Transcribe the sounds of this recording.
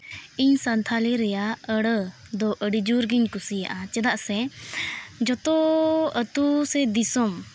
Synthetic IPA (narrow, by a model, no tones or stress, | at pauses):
iɲsant̪ʰaliɾɛjaəɽəd̪ɔʔəɽid͡ʒuɾɡiɲkusijaʔat͡ʃɛd̪aʔsɛ | d͡ʒɔt̪ɔət̪usɛd̪isɔm